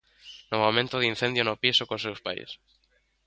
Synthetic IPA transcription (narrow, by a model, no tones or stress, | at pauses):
nomomẽnt̪oðin̟θẽnd̪jonopisokosewspa̰j̰s